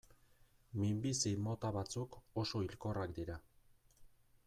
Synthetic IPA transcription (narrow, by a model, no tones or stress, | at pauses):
mimbisimo̞t̪aβat͡suko̞so̞ilko̞rakd̪iɾa